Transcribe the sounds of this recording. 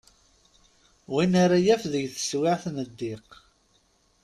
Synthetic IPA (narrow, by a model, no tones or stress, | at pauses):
winaɾajæfðəʝθə̥swɪʕθməd̪ːɪq